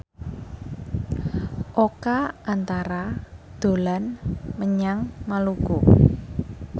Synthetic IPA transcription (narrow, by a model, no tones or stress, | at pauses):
ʔokaʔant̪aɾad̪̥o̤lanməɲaŋmaluɡ̥o